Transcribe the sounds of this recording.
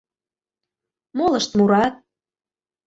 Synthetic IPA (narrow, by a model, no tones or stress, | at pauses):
molə̆ʃt̪muɾɑt̪̚